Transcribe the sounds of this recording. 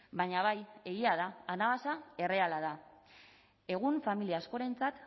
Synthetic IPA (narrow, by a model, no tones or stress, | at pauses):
baɲaβ̞aje̞ɣ̞iaðaːnaβasae̞re̞alað̞a | e̞ɣ̞uɱfamiliaːsko̞ɾe̞nt͡sat̪